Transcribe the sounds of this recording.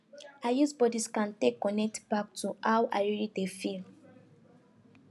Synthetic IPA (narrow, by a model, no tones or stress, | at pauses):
ajusbɔdiskãntekːɔnɛk̚tb̥ak̚tʰuawʔa̰ɪɹilidefil